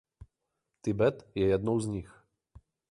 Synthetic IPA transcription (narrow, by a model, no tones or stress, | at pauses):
t̪ʲibɛt̪jɛjɛd̪nɔwzʲnʲix